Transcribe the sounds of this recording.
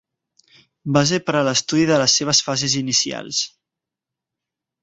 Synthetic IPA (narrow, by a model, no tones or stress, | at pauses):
bas̬epəɾələst̪uðiðələsːeβ̞əsfazezinisia̰lˠs